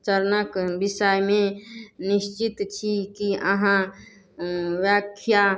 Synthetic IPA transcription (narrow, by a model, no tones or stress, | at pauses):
t͡ʃəɾnəkbisəjmenist͡ʃit̪t͡ʃʰikiəɦã | ʋjakʰja